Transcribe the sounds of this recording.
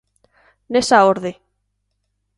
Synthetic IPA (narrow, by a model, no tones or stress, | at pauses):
nesaoɾðe